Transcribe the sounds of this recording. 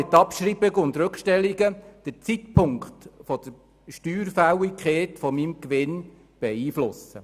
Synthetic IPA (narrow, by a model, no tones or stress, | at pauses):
ɪt̪ːɑpʃɾibɪɡəʊnd̪ɾʉkʃtɛliɡəd̥əɾt͡sitpʰʊŋkχtfɔd̥əɾ | ʃtyːɾfæwikχeːtfɔmimkʋɪn | b̥ɛiːflʊsə̰